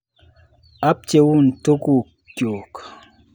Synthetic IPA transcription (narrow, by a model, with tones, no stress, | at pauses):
a˦p̚t͡ʃe˨wu˦n̩˨to˦ku˦˨ | kjo˨k